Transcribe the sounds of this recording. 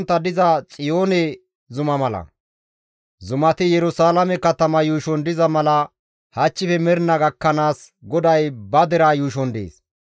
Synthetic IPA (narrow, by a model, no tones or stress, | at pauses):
nt̪ːɐd̪ɪzɐt͡sʼɪjoːnɛ | zʊmɐmɐlɐ̰ | zʊmɐt̪ɪjɛɾʊsaːlɐmɛkɐt̪ɐmɐjuːʃɔnd̪ɪzɐmɐlɐ | hɐt͡ʃːɪfɛmɛɾɪnɐɡɐkːɐnaːs | ɡɔd̪ɐjbɐd̪ɛɾaːjuːʃ̬ɔnd̪ḛːs